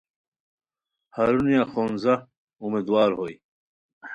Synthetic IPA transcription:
hɐɾunjaxoːnzɐ | umed̪waːɾɦoj

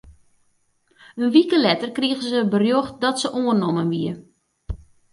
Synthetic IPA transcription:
ənʋikəlɛtərkriəɣəzəbərjoxt̚dɔtsəʔoənɔmənʋiə

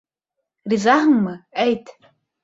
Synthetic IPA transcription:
rizahŋmɨejtʰ

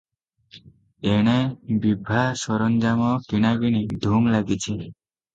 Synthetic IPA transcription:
eɽ̃ebibʱasɔɾɔnd͡ʒamɔkiɽ̃aɡiɽ̃iɖʱuŋlaɡit͡ʃʰi

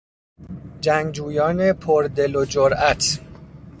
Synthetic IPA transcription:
d͡ʒæŋɡd͡ʒuːjɒːnepʰoɾd̪e̞lod͡ʒoɾʔæt̪ʰ

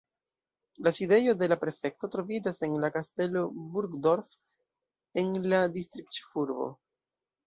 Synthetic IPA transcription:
laside̞jo̞de̞lapɾe̞fe̞kto̞tɾo̞vid͡ʒase̞nlakaste̞lo̞buɾɡdo̞ɾf | e̞nladistɾik̚t͡ʃfuɾbo̞̰

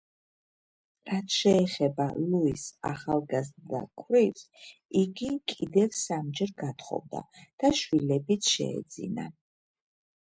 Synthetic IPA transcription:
ɾat̪ʰʃɛːχɛbaluisa̰χalˠɡazd̪a̰kʰwvɾiɾsiɡikʼid̪ɛvsamd͡ʒɛɾɡat̪ʰχɔ̰vd̪a̰d̪̥aʃwilɛbit̪sʰʃɛ̰ɛ̰d̪zḭna̰

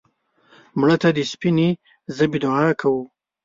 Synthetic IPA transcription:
mɽət̪ad̪əspine | zəbid̪oakʰawu

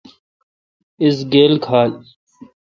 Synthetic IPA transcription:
ɪsɡeːlkʰaːl

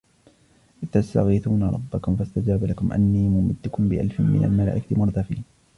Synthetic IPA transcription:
ʔɪt̪ːast̪a̰ɣiːθuːnaɾˤɑ̰bːakʊmfast̪ad͡ʒaːbalakʊmʔa̰nːiːmʊmɪd̪ːʊkʊmbɪʔa̰lfɪmmɪ̰nʔa̰lmala̰ːʔɪkat̪ɪmʊɾˤd̪ɑfḭːn

